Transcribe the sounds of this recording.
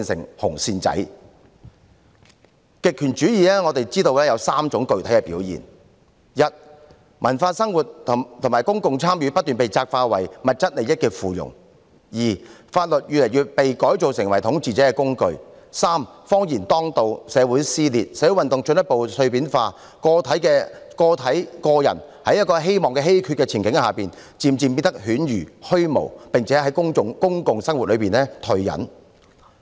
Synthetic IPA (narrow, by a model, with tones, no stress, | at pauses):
iː˧nsɪ̰˨˩ŋhʊ˨˩ŋsiː˧nt͡sɐ̰˨˥j | kɪ˨kʰːy˨˩nt͡ʃyː˨˥jiː˨lɛː˥ŋɔ˨˧t̪e˨jt͡siː˥t̪o˧wlɛː˥jɐ˨˧wsaː˥mt͡sʊ˨˥ŋkɵ˨ɥt̪ʰjkɛː˧pḭː˨˥wjḭː˨˩n | jɐ˨t̚ | mʔɐ˨˩nfaː˧sɐ˥ŋwuː˨˩t̚t̪ʰt̪ʰŋmaː˨˩jkʊ˥ŋkʊ˨ŋt͡sʰaː˥mjyː˨˧˥pɐ˥t̚t̪yː˨npe˨jt͡saː˧k̚faː˧wɐ˨˩jmɐ˨t̚t͡sɐ˥t̚le˨jɐ˥t̚kɛː˧fuː˨jʊ̰˨˩ŋ | jiː˨˩faː˧t̚lɵ˨t̚jyː˨lɐ˨˩jyː˨˧pe˨jkɔː˨˥jt͡so˨wsɪ˨˩ŋwɐ˨˩jt̪ʰʊ˨˥ŋt͡siː˨t͡sɛː˨˥kɛː˧kʊ˥ŋkɵ˧ɥ | saː˥mfɔː˥ŋjiː˨˩nt̪ɔː˥ŋt̪o˧wsɛː˨˧wu˨˥jsiː˥liː˨t̚sɛː˨˥wu˨˥wɐ˨nt̪ʊ˨ŋt͡ʃɵ˧njɐ˥t̚po˨wsɵ˧ɥpiː˨˥nfaː˧ | kɔː˧t̪ʰɐ˨˥jkɛː˧kɔː˧t̪ʰɐ˨˥jkɔː˧jɐ˨˩n | hɐ˨˥jɐ˥tkɔː˧ɦe˥jmɔː˨ŋkɛː˧ɦe˥jkʰyː˧t̚kɛ˧t͡sʰiː˨˩nŋkɪ˨˥ŋhaː˨piː˨n | t͡siː˨˧mt͡si˨˧mpi˧t̪ɐ˥k̚hyː˨˥njyː˨˩hɵ˥ɥmo̰˨˩wpɪ˨ŋt͡sʰɛː˨˥ɦɐ˨˥jkʊ˥ŋʊ˨ŋkʊ˥ŋkʊ˨ŋsɐ˥ŋwu˨t̚lɵ˨˧ɥpiː˨nlɛː˥t̪ʰɵ˨˧ɥjɐ̰˨˥n